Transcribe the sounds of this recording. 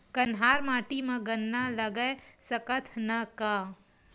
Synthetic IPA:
kɐnɦaːɾmaːʈimãɡɐnːalɐɡəesɐkət̪ʰnɐkaː

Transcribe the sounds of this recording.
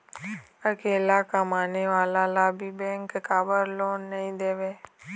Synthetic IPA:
əkeːlakamaːneʋaːlalabʱibɛ̃ːŋkːaːbəɾloːnːəɦĩd̪eːʋe

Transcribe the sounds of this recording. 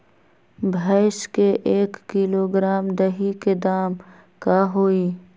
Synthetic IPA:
bʱaɪʃkeʔeːkːiloːɡɾaːmd̪ɐɦiked̪aːm | kaːɦoːiː

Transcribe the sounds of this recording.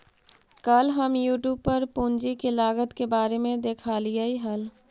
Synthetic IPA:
kəlɦəmjuːʈjuːb̚pəɾpũːnd͡ʒikelaːɡət̪kebaːɾemẽd̪eːkʰaːlijaiɦɐl

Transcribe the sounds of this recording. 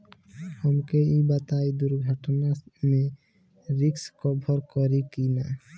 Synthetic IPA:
ɔmkeibat̪ajd̪uɾɡʱɔʈoname | ɾikskɔbʱɔɾkɔɾikina

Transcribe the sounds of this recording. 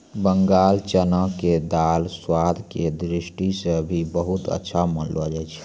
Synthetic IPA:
bəŋɡaːlt͡ʃənəked̪alswad̪ʱked̪ɾisʈisəbʱibəɦut̪ə̰tːʃʰamənləd͡ʒɛt͡ʃʰ

